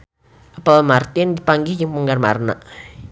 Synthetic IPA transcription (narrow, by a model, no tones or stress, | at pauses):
ʔəpəlmart̪ɪndipaŋɡihd͡ʒəŋpəŋɡarma̰rna̰ʔ